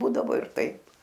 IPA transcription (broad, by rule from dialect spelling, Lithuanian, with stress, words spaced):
ˈbuːdɐʋoː ɪr ˈtɐɪp